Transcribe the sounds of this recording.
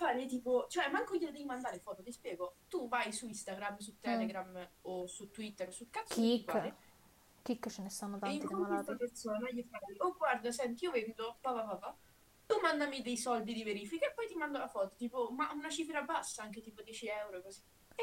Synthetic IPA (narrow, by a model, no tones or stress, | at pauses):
faːɾet̪iːpot͡ʃoɛmːaŋkojiod̪ɛvimand̪aːɾefɔːt̪ot̪ispjɛːɡot̪uvajsuist̪aɡɾamːs̬ut̪ːɛleɡɾamosut̪ːwit̪ːeɾsukat̪sːipːaːɾe | kikːt͡ʃenesanːot̪aiŋkalt̪ɾapersoːnajifaːɾoɡward̪asɛnt̪̬iiovend̪opapapapa | t̪umand̪amid̪ejsɔld̪id̪iveɾiːfikaepːɔjt̪imand̪olafɔːt̪o̥t̪iːpomaʔunat͡ʃifɾabasːaaŋket̪iːpod̪jɛt͡ʃiɛwɾoekozi